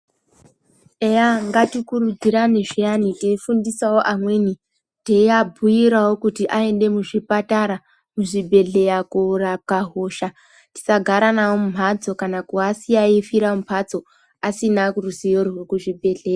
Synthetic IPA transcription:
ejaŋɡatikurud͡ziɾane̞ʐijaniteifundisawoʔamwe̞ːni | teiabʱujiɾawo̞kutiʔae̞nde̞muʐipataɾa | muʐibʱe̞ɮe̞jakurakaɦo̞ːʃa | ti̥saɡʱaɾanawomum̤ad͡zo̞kanakuasiaifiɾamupʰad͡zo̞ | asinakuruzijorwekuʐibʱe̞ɮe̞ːja

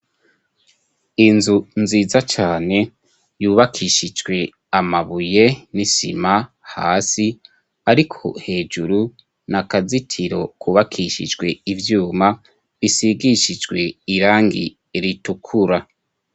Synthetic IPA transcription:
inzunziːzat͡ʃaːne̞ | juːβakʰiʃid͡ʒɡwe̞ | amaβujenisḭma | ha̰ːsi | aɾikʰo̞̰he̞ːd͡ʒuɾu | nakazitʰiɾo̞kʰuβakʰiʃḭd͡ʒɡwe̞ivjuːma | βisiɡiʃid͡ʒɡwe̞iɾaːŋɡḭ | ɾitukʰuɾa

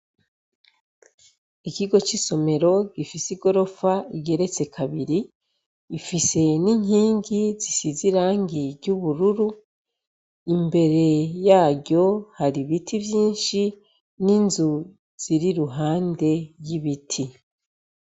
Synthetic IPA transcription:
ikiɡo̞t͡ʃiso̞me̞ɾo̞ɡifisiɡo̞ɾo̞faiɡe̞ɾe̞t͡se̞kʰaβiɾi | ifise̞niɲhiːŋɡizisiziɾaːŋɡiɾɟuβuɾuɾu | imbe̞ɾe̞jaːɟo̞haɾiβitʰivjiːnʃi | ninzu | z̥iɾiɾuɦaːnde̞jiβitʰi

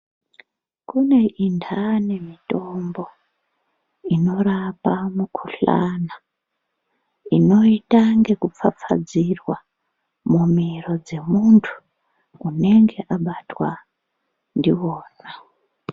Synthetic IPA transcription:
kune̞ʔindʰane̞mito̞mbo̞ | ino̞rapamukʰuɬa̰na | ino̞itaŋɡe̞kup͡fap͡fa̰d͡zirwa | mumiro̞d͡ze̞muntʰu̥ː | ne̞ŋɡe̞ʔaɓatwa | ndiwoːna

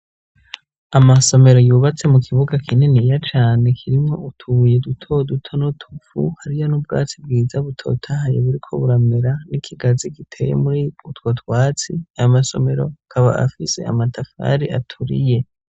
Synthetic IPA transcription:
amaso̞me̞ɾo̞juːβat͡se̞mukʰiβuɡakinenijat͡ʃaːne̞kʰiɾimŋo̞ʔutʰuje̞dutʰo̞dutʰonotʰufṵhaɾijo̞nub̚ɡa̰ːt͡sibɡiːzaβutʰo̞̰tʰahajḛβuɾikʰo̞̰βuɾame̞ɾanikʰiɡazikitʰe̞̰jḛmuɾiutwo̞twaːt͡siajomaso̞̰me̞ɾo̞̰kʰaβa̰a̰fise̞̰a̰matʰafa̰ɾiʔatʰuɾḭje̞

